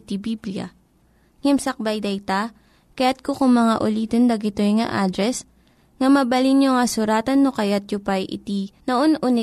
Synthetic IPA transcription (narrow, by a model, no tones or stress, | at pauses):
t̪ibiblijɐ̰ | ŋɪmsɐk̚bɐjd̪ɐjt̪a | kɐjat̪̚kokʊŋmɐŋaʔʊliːt̪ond̪ɐɡɪt̪ojŋɐ̰ʔaːd̪ɾɛs | ŋɐmɐbɐlinjoŋɐsʊɾaːt̪ɐnːokɐjat̪̚jʊpajʔɪ̰t̪inɐʔonʔʊnɪ